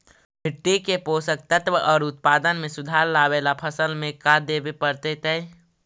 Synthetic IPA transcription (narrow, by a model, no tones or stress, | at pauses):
bʰʱɪʈːikepoːsək̚t̪ət̪wəʔɔːɾʊt̪̚paːd̪ənmẽsʊd̪ʱaːɾlaːweːlapʰəsəlmẽkad̪eːbepəɾt̪et̪ɛ̃